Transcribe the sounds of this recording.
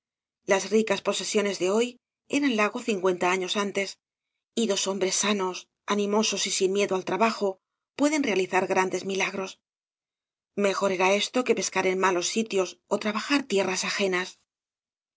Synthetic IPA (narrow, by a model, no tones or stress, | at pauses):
lasrikaspo̞se̞sjo̞ne̞zðe̞o̞j | e̞̰ɾanlaɣo̞θiŋkwe̞nt̪aaɲo̞sant̪e̞s | iðo̞so̞mbɾe̞sːano̞s | anĩmo̞so̞sisinmje̞ðo̞alt̪ɾaβaxo̞ | pwe̞ðe̞nre̞aliθaɾɣɾand̪e̞zmilaɣɾo̞s | me̞xo̞ɾe̞ɾae̞st̪o̞ke̞pe̞skaɾe̞nmalo̞sːit̪jo̞sot̪ɾaβaxaɾt̪je̞rasaxe̞nas